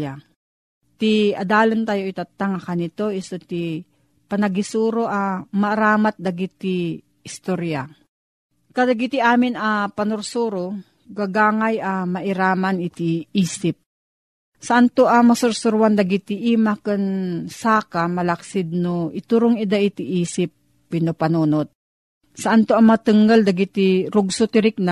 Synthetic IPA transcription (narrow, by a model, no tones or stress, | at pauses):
a | t̪iɐd̪aːlɪnt̪aːjoit̪at̪ːaŋakanɪt̪oʔɪst̪ot̪i | pɐnɐɡɪsuɾoʔamaːɾaːmat̪̚d̪ɐɡɪt̪ːi | ɪst̪oɾja | kad̪aɡit̪ɪʔaːmɪnɐpɐnʊɾsuːɾo | ɡaɡaːŋajʔamɐʔɪɾaːmanɪt̪iiːsɪp̚ | sɐʔant̪oʔamɐsʊɾsʊɾuwand̪aɡit̪ɪʔimakɨnsaːkamɐlɐksɪd̪̚noʔɪt̪uɾoŋɪd̪aʔɪt̪ɪʔiːsɪp̚ː | ɪnopɐnuːnot̪̚ | sɐʔant̪oɐmat̪ɨŋald̪ɐɡit̪iɾʊɡsʊt̪ɪɾɪk̚na